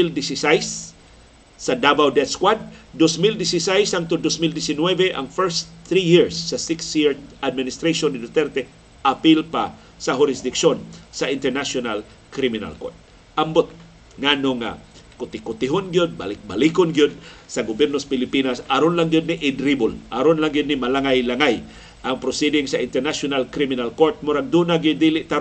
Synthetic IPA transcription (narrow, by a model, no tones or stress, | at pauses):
ild̪ɪsɪsajsː | ɐd̪abawd̪ɛt̪skwad̪̚ːosmild̪ɪsɪsajsaŋt̪ʊd̪osmild̪ɪsɪnwɛvɛʔɐ̰ŋfɛɹst̪ɾijiɹsːɐsɪksiɹd̪ʔad̪̚mɪnɪst̪ɾajʃonːɪd̪ɪt̪ɛɾt̪ɛ | ʔapilpa | sɐɦʊɾɪsd̪ɪkʃonsɐʔɪnt̪ɛɾnasjonal | kɾimɪna̰lko̰ɹt̪̚ | ɐmbot̪̚ | ŋaːnoŋa̰ | kʊt̪ɪkʊt̪ɪɦonɡɪjod̪̚ba̰lɪk̚bɐlikonɡɪjod̪̚sɐɡobjɛɾnospɪlɪpiːnasɐɾonlaŋɡjod̪nɪʔɪd̪ɾibʊlʔaɾonlaŋɡɪd̪̚nɪmɐlaŋajlaŋaj | ʔɐŋpɾosɛd̪ɪŋsɐʔɪnt̪ɛɾnasjonalkɾimɪnalkoɾt̪̚mʊɾaɡ̚d̪uːnaɡɪd̪iːlɪʔt̪aɾ